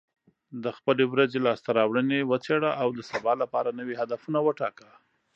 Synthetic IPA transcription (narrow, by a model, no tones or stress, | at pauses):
d̪əxpəlewɾazelɑst̪aɾɑwɽənewət͡seɽaʔawd̪əsabɑlapɑɾanəwihad̪afunawəʈɑ̰kə